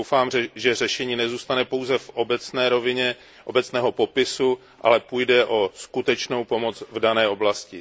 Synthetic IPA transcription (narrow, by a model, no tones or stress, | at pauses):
owfaːmʒɛr̝ɛʃɛɲiːnɛzuːst̪anɛpo̞wzɛfobɛt͡snɛːɾovɪɲɛ | ʔobɛt͡snɛːɦo̞po̞pɪsu | ʔa̰lɛpuːjdɛʔo̞skut̪ɛt͡ʃno̞wpo̞mo̞t͡svdanɛːʔo̞blascɪ